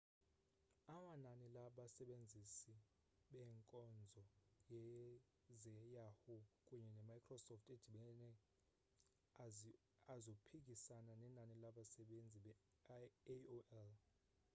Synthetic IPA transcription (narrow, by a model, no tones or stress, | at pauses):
amananilaɓasɛɓend͡zʱisi | ɓɛŋkʼɔnd͡zʱɔjɛ | zɛjahɔkʼuɲɛnɛmajkʰrɔsɔftʰɛd̥ʱiɓɛnɛ | azopʰik̬ʼisananɛnanilaɓasɛɓend͡zʱiɓɛ | oʔɛl